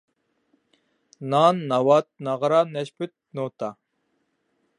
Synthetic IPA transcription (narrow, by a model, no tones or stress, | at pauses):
nɑnːɑwɑt̪̚nɑʁɾɑnɛʃpyt̪̚not̪ʰɑ